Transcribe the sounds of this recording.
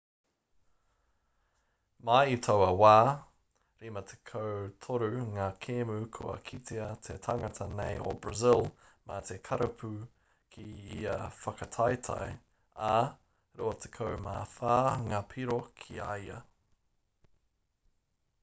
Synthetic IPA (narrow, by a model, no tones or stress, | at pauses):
majitʰowɐwaː | ɾimɐtʰe̥kʰowtʰoɾʉŋakʰeːmʉkʰṵɐ̰kʰit̪ʰeɐt̪ʰetʰɐŋɐtʰɐnḛjo̰bɹɐzɪlmɐt̪ʰekʰɐɾɐpʰʉ | kʰiḭɐ̰fɐkɐtʰajtʰa̰j | ɐ | ɾoːɐt̪ʰe̥kʰowma̰ːfaːŋapʰiɾokʰḭa̰jɐ̰